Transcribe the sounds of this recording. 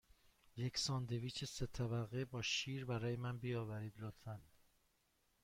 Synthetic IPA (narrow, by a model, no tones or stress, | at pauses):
je̞ksɒːnd̪e̞viːt͡ʃʰeset̪ʰæbæɣebɒːʃiːɾbæɾɒːjemænbijɒːvæɾiːd̪lot̪ʰæn